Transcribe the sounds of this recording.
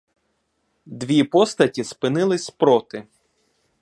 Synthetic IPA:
d̪ʋʲipɔst̪ɐtʲispɪnɪlˠɪsʲpɾɔt̪ɪ

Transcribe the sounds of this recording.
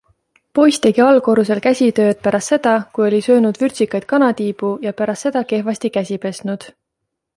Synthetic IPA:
po̞jst̪e̞ɡ̥iɑlko̞ɾuse̞lkæsʲit̪ø̞ːd̪̥̚pæɾɑst̪se̞d̪̥ɑkujo̞lʲisø̞ːnud̪vyrʲsikˑɑjd̪̥̚kɑnɑt̪iːb̥ujɑpæɾɑst̪ːse̞d̪̥ɑke̞hvɑsʲt̪ikæsʲipe̞snud̪̥

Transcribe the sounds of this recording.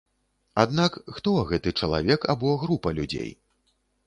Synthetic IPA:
ad̪nakxt̪ɔɣɛt̪ɨt͡ʂɐlˠa̰vʲɛka̰bɔɣɾupɐlʲud͡zʲḛj

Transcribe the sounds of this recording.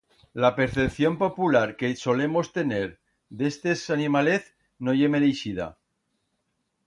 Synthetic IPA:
lape̞ɾθe̞pθjo̞mpo̞pulaɾke̞so̞le̞mo̞st̪e̞ne̞ɾ | d̪est̪esanimaleθ | noʝemeðejsiða̰

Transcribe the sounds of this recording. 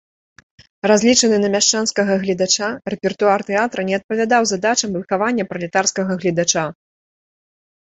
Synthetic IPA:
razʲlʲit͡ʂɐnɨnɐmʲaʂt͡ʂanskɐɣɐɣlʲid̪at͡ʂarɛpʲɛrt̪uart̪ɛat̪ɾɐnʲɛɐt̪̚pɐvʲad̪awzad̪at͡ʂɐmvɨxavanʲːɐpɾɐlʲɛt̪arskɐɣɐɣlʲid̪at͡ʂa

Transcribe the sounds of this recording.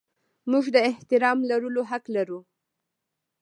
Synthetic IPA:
muʒd̪əɪht̪ɪɾɑmlaɾəloɦaklaɾu

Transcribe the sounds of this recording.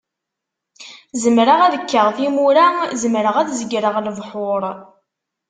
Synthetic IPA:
zəmɾəʁæðəkːəʁθimuɾazəmɾəʁæðzəɡɾəʁləvħʊɾˤ

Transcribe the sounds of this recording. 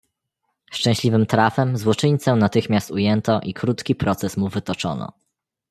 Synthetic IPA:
st͡ʂɛ̃w̃ɕlʲivɘmt̪ɾafɛmzwɔt͡ʂɘɲt̪sɛnat̪ɘxmʲjast̪ujɛnt̪ɔʔikɾut̪kʲipɾɔt̪sɛsmuvɘt̪ɔt͡ʂɔ̰nɔ̰

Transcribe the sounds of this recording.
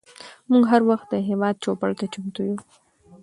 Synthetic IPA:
muŋɡɦaɾwaxt̪̚d̪əɦewɑd̪̚t͡ʃopaɽt̪at͡ʃʊmt̪uju

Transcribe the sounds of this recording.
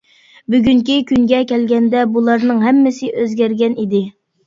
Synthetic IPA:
byɡʲyŋkʲikʲyŋɡʲɛkʲʰɛlɡʲɛnd̪ɛbulˠɑɾnɨŋɦɛmːɪsɪʔøzɡʲæɾɡʲɛnid̪ɪ

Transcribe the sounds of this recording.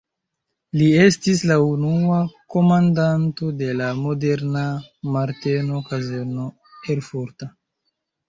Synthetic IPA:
lie̞stislaunuako̞mandanto̞de̞lamo̞de̞ɾnamaɾte̞no̞kazeɾno̞ | elfuɾta

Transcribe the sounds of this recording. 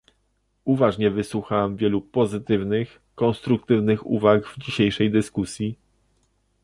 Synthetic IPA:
uvaʐɲɛvɘswuxawɛmvʲjɛlupɔzɘt̪ɘvnɘx | kɔ̃nst̪ɾuk̚t̪ɘvnɘxṵvaɡvd͡ʑiɕejʂɛjd̪ɘskusʲji

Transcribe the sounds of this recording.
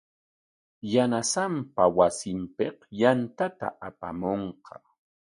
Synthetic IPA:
janasampawasɪmpeqjant̪at̪a̰ʔapa̰moɴqʰɑ

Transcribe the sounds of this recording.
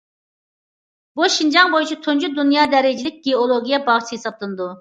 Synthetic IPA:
buʃind͡ʒɑŋbojut͡ʃʰit̪ʰond͡ʒud̪unjɑːd̪ɛɾɪd͡ʒɪlɪk̚ʲɡ̥ʲeolˠoɡʲijɛbɑʁt͡ʃʰiɦesɑp̚lˠɨnɨd̪u

